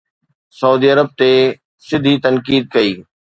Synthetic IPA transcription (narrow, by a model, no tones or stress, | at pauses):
sɐuːd̪iɐɾəb̚t̪e | sɪd̪ʱit̪ɐnkiːd̪̚kɐiː